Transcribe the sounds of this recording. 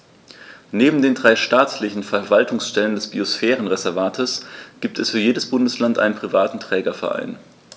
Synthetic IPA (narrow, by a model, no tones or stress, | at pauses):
neːbm̩deːndʁaɪʃtaːt͡slɪçn̩fɛɐvaltʰʊŋsʃtɛləndɛsb̥iosfɛːʁ̞ənʁezɛɐvaːtʰəsɡ̥iːp̚tʰɛsfyːɐjeːdəsb̥ʊndəslantʔa̰ɪnənpʁ̥ivaːtn̩tʁ̥ɛːɡɐfɛɐʔa̰ɪn